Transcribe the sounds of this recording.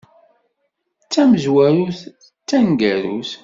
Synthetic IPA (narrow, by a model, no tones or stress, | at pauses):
t͡sːæməzwæɾuθ | t͡sːæŋɡæɾuθ